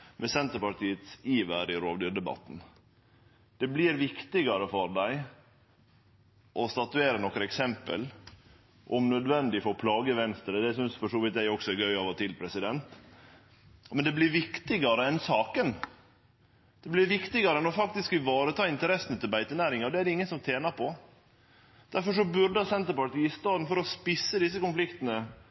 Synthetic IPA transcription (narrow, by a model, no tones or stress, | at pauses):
mʔɛsɛnt̪əɾpɑɾʈ̪ʰiːət̪siːʋæɾɪɾoːʋd̪yːɾɖ̪ɛbɑ̰t̪ːn̩ | d̪̥ɛblɪɾʋɪkt̪ɪɡɑɾəfɔɾd̪æɪ | ʔɔst̪ɑt̪ʉeːɾənɔkɾəɛksɛmpə̰l | ʔɔmnœd̪ʋɛnd̪ɪfɔɾpʰlɑːɡəʋɛnst̪əɾəd̪ɛsʏnsfɔʂoːʋɪt̪djæɪɔksɔɛɾɡœʏɑʋɔt̪ʰɪlpʰɾɛsɪd̪ɛnt̪ | mɛnd̪ɛblɪɾʋɪkt̪ɪɡɑɾəɛnsɑːkən | d̪̥ɛblɪɾʋɪkt̪ɪɡɑɾəɛnɔfɑkt̪ɪskɪʋɑːɾət̪ʰɑːɪnt̪əɾɛsənət̪ʰɪlbæɪt̪ənæːɾɪŋɑɾd̪ɛæɖɛɪŋːənsɔmt̪ʰeːnɑɾpʰɔ | d̪̥æɾfɔʂ̬ɔbʉɾɖəəsɛnt̪əɾpɑʈiːɪst̪ɑːd̪n̩fɔɾɔspɪsːəd̪ɪs̬ːəkʊnflɪkt̪ənə